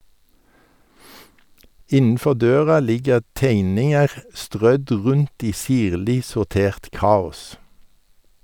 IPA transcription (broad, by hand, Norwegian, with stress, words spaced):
ˈɪnn̩ˌfɔʁ ˈdøːʁɑ ˈlɪɡəʁ ˈteɪnɪŋəʁ ˈstʁœd ˈʁʉnt ˈiː ˈsiːʁlɪ sʊʁˈteːʁt ˈkɑːʊs